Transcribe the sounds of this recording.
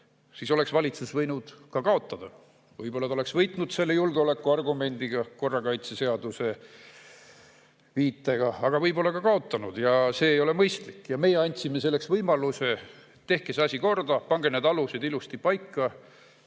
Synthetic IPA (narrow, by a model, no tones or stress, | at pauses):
siːso̞le̞ksvɑlʲit̪susvɤjnud̪̥kɑkɑo̞t̪ˑːɑd̪̥ɑ | vɤjbo̞lːɑt̪ole̞ksvɤjt̪ˑnud̪̥se̞lːe̞julɡeo̞lekːˑuɑrɡume̞nʲd̪̥iɡ̥ɑko̞rːɑkɑjt̪sese̞ɑd̪̥use̞ | viːt̪ːˑeɡ̥ɑɑɡ̥ɑvɤjbo̞lːɑkɑkɑo̞t̪ːˑɑnud̪̥jɑse̞ːjo̞le̞mɤjst̪likːˑjɑme̞jeɑnʲt̪ʲsimese̞lːe̞ksvɤjmɑluse̞ | t̪e̞hkeseɑsʲiko̞rd̪ɑpɑŋɡ̥ened̪ɑlusid̪̥ilust̪ipɑjkːɑ